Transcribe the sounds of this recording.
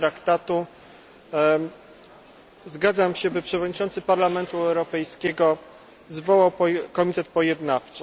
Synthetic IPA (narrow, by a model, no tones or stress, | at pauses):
ɾakt̪at̪u | zɡad̪zamɕɛbɘpʂɛvɔd̪ɲit͡ʂɔnt̪sɘpaɾlamɛnt̪uɛwɾɔpɛjskʲɛɡɔ | zvɔwawpkɔmʲit̪ɛt̪̚pɔjɛd̪naft͡ʂɘ̥